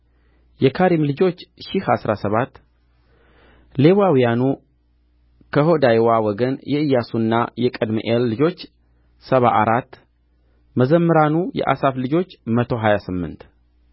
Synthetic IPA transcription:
jɛkʰaɾimlɨd͡ʒo̞t͡ʃːʃɪhasɾasəβat̪ː | le̞wawijanu | kʰəho̞d̪ajwawɔɡənjɛɨjːasunːajɛkʼəd̪miʔelːɨd͡ʒo̞t͡ʃː | səβaʔaɾat̪ː | məzəmːɨɾanujɛ̰ʔa̰saflɨd͡ʒo̞t͡ʃːmət̪ʰo̞ɦajasɨmːɨ̰nt̪

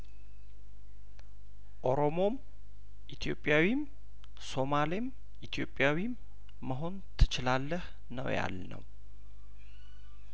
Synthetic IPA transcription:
ʔo̞ɾo̞mo̞m | ʔit̪ʰjo̞pʼːjawim | so̞malem | ʔit̪ʰijo̞pʼːjawimː | əɦo̞nt̪ʰɨ̥t͡ʃɪlalːəh | nə̰wja̰lnə̰w

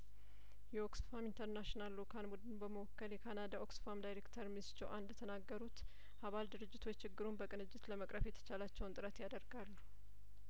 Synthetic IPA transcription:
jɛoksfamint̪ʰəɾnaʃnalːokʰanbud̪ɨnbəməwɔkːəljɛkʰanad̪aʔo̞ksfamd̪ajɾekt̪ʰəɾmist͡ʃːɛwʔand̪ət̪ʰənaɡːəɾut̪ | ʔaβald̪ɨɾɨd͡ʒːɪt̪ʰo̞t͡ʃːt͡ʃʰːɪɡːɨɾumbəkʼɨnɨd͡ʒːɪt̪ləməkʼɾəfjɛt̪ʰə̥t͡ʃalat͡ʃːɛwnt̪ʼɨɾət̪jad̪əɾɡalːu̥

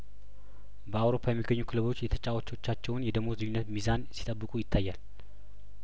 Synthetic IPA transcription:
bəawɾo̞pʰːajɛmːiɡːəɲːukʰɨləβo̞t͡ʃːjɛt̪ʰət͡ʃʼawot͡ʃːo̞t͡ʃːat͡ʃːɛwʊnjɛd̪əmozɨɲːunːət̪mizansi̥t̪ʼəbːɨkʼujɪt̪ʰːajːal

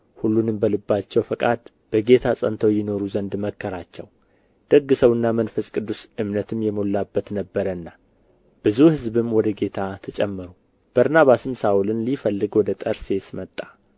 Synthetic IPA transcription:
hulːunɨmbəlɨbːat͡ʃːɛwfəkʼad̪ | b̥əɡe̞t̪ʰasʼənt̪ʰəwjɪno̞ɾuzənd̪məkːəɾat͡ʃːɛw | d̪̥əɡːɨsəwɨnːamənfəskʼɨd̪ːusɨmnət̪ʰɨmjɛmolːabːət̪nəbːəɾənːa | b̥ɨzuhɨzbɨmwɔd̪əɡe̞t̪ʰat̪ʰət͡ʃʼɛmːɨɾu | b̥əɾnaβasɨmsaʔulɨnlifəlːɨɡwɔd̪ət̪ʼəɾse̞smət̪ʼːḁ

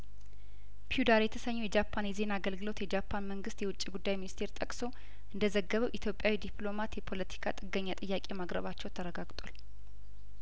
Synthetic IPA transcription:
pʰiud̪aɾjɛt̪ʰəsəɲːujɛd͡ʒapʰːanjɛze̞naɡəlɡɨlo̞t̪jɛd͡ʒapʰːanməŋɡɨst̪jɛwʊt͡ʃʼːiɡud̪ːajminist̪ʰe̞ɾt̪ʼəkʼso̞ | ʔɨnd̪əzəɡːəβəwʔit̪ʰjo̞pʼjawid̪ipʰlo̞mat̪jɛpʰo̞lət̪ʰi̥kʰat̪ʼɨɡːəɲːat̪ʼɨjːakʼe̞makʼɾə̰βat͡ʃːɛwt̪ʰəɾəɡaɡt̪ʼwal

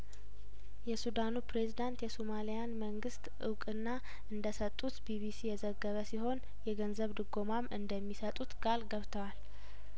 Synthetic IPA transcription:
jɛsud̪anupɾe̞zid̪ant̪jɛsomalijanməŋɡɨst̪ʔɨwkʼɨnːa | ʔɨnd̪əsət̪ʼːut̪biβisijɛzəɡːəβəsiho̞n | jɛɡənzəβd̪ɨɡo̞mamɨnd̪əmːisət̪ʼut̪kʼalɡəβt̪ʰəwal

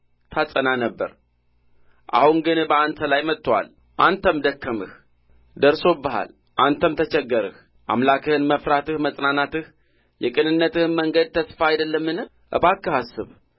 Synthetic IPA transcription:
t̪ʰasʼənanəbːə̰ɾ | ʔa̰hunɡɨnbəant̪ʰəlajmət̪ːwa̰l | ʔant̪ʰəmd̪əkːəmɨ̰h | d̪əɾso̞bəha̰l | ʔant̪ʰəmt̪ʰət͡ʃɛɡːəɾɨ̰h | ʔa̰mlakɨhɨnməfɾat̪ɨhməsʼnanat̪ɨh | jɛkʼɨnɨnːət̪ɨhməŋɡəd̪̚t̪ʰəsfaajd̪əlːəmːɨn | ʔɨ̰βakːɨhasːɨ̰β

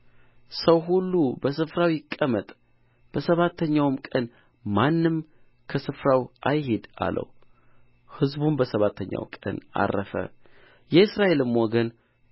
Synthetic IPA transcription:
səwɦulːubəsɨfɾawjɪkʼːəmət̪ʼ | b̥əsəβat̪ʰːəɲːawmkʼən | manːɨm | kʰəsɨfɾawʔajɦed̪a̰lʔə̰w | hɨzbumbəsəβat̪ʰːəɲːa̰wkʼə̰na̰rːəfə̰ | jɛɨsɾaʔe̞lɨmːwɔɡən

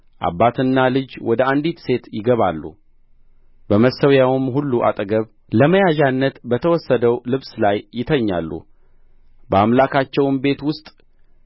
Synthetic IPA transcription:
ʔa̰bːat̪ʰɨnːalɨd͡ʒwɔd̪əand̪it̪se̞t̪jɪɡəβalːṵ | bəməsəwjawɨmɦulːuʔa̰t̪ʼəɡəβ | ləməjaʒanːət̪bət̪ʰəwɔsːəd̪əwlɨβslajːɪt̪ʰəɲːa̰lːṵ | bəamlakʰat͡ʃːɛwnbe̞t̪wʊst̪ʼ

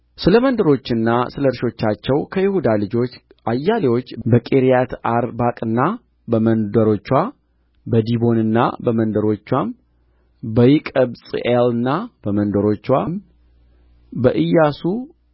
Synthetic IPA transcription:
sɨləmənd̪əɾo̞t͡ʃːɪnːasɨləɾʃo̞t͡ʃːat͡ʃːɛwkʰəjɪhud̪alɨd͡ʒo̞t͡ʃː | ajːalewo̞t͡ʃːbəkʼeɾijat̪aɾbakʼɨnːa | bəmənd̪əɾo̞t͡ʃːwa | bəd̪ibo̞nɨnːa̰bəmənd̪əɾo̞t͡ʃːwam | bəjɪkʼəbsʼḭʔelɨnːab̥əmənd̪əɾo̞t͡ʃːwam | bəʔɨjːasu

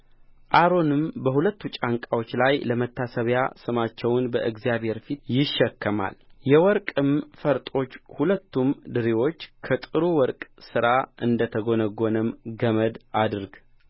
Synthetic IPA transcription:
ʔaɾo̞nɨmbəhulət̪ːut͡ʃʼaŋkʼawo̞t͡ʃːlajləmət̪ːasəβja̰sɨmat͡ʃːɛwʊnbəʔɨɡzijaβhe̞ɾfit̪jɪʃːɛkʰːəma̰ljɛwɔɾkʼɨmfəɾt̪ʼo̞t͡ʃːhulət̪ʰːumd̪ɨɾiwo̞t͡ʃːkʰət̪ʼɨɾuwɔɾkʼsɨɾaʔɨnd̪ət̪ʰəɡo̞nəɡo̞nəmɡəməd̪ad̪ɨɾɡ

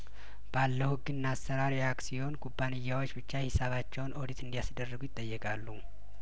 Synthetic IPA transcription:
b̥alːəhuɡɨnːasːəɾaɾiaksiho̞nkʼubːanɨjːawo̞t͡ʃːbɨt͡ʃːahɪsaβat͡ʃːɛwnod̪it̪ʰɨnd̪ijasd̪ərːəɡujɪt̪ʼːəjːɛkʼalːu

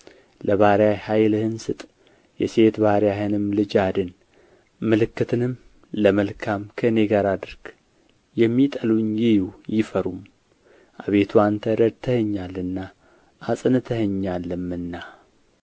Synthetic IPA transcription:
ləβaɾjajhajlhɨnsɨt̪ʼ | jɛse̞t̪baɾjahɨnɨmlɨd͡ʒad̪ɨn | mɨlɨkːɨt̪ʰɨnɨm | ləməlkʰamkʰəɨne̞ɡaɾad̪ɨɾɡ̥ | jɛmːit̪ʼəluɲjɪjujɪfəɾum | ʔaβe̞t̪ʰuant̪ʰəɾəd̪t̪ʰəhəɲːalːɨnːa | ʔːsʼɨnɨt̪ʰəhəɲːalːɨmɨnːa

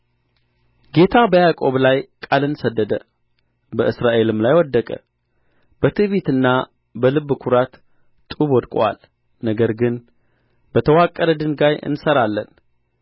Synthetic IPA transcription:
ɡe̞t̪ʰabəjakʼo̞βlajkʼalɨnsəd̪ːəd̪ə | bəʔɨsɾaʔe̞lɨmlajwɔd̪ːəkʼə̰ | bət̪ʰɨβit̪ɨnːa | bəlɨβːkʰuɾat̪ | t̪ʼuβɔd̪kʼa̰l | nəɡəɾɡɨn | b̥ət̪ʰəwakʼːələd̪ɨnɡajɨ̰nsəɾalːən

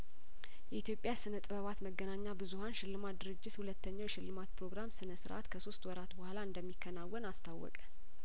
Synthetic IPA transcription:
jɛit̪jo̞pʼjasɨnət̪ʼɨβəβat̪məɡːənaɲːabɨzuhanʃɪlːɨmad̪ɨɾɨd͡ʒːɪt̪hulət̪ːəɲːawʃɪlːɨmat̪pʰɾo̞ɡɾamsɨnəsɨɾʔa̰t̪kʰəso̞st̪wɔɾat̪bəhalaɨnd̪əmːikːənawːənast̪ʰawːɔ̰kʼə̥

